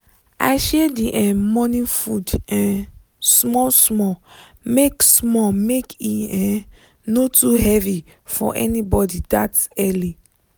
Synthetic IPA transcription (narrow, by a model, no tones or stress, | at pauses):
a̰ɪʃɛdiʔɛ̃mɔ̃nĩfudɛ̃n | smɔlsmɔ | meksmɔmekiɛ̃ | notuɦɛvi | fɔ̰ʔɛ̰nibɔdidatɛli